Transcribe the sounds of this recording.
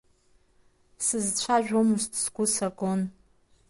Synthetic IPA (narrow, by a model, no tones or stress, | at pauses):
sɨzt͡ɕʷʰaʒᶣʷomɨʃtʰʼsɡʷʊsakʼon